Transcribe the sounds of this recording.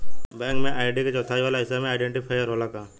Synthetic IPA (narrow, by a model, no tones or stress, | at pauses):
bɛ̃ːŋkmẽʔaːɪɖiket͡ʃɔːt̪ʰaːiʋaːlaɪsamẽaːɪɖẽɳʈipʰaːjəɾɦoːlakaː